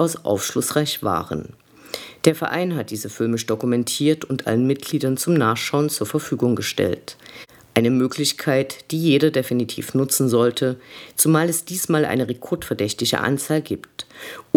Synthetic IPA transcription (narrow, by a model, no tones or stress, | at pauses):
aʊsʔa̰ʊfʃlʊsʁ̥aɪçv̥a̰ːʁə̰n | d̥eːɐfɛɐʔa̰ɪnɦat̚d̥iːzəfɪlmɪʃd̥okumɛntʰiːɐtʰʊntʔa̰lənmɪt̚ɡ̥liːdɐnt͡sʊmnaːχʃaʊənt͡suːɐfɛɐfyːɡʊŋɡəʃtɛ̰lt | ʔaɪnəmøːklɪçkʰaɪtd̥iːjeːɾɐdefinitʰḭːfnʊt͡sn̩zɔltʰət͡sumaːlɛsd̥iːsmaːlʔa̰ɪnəʁɛkʰɔɐtfɛɐdɛçtɪçə̰ʔa̰nt͡saːlɡiːpt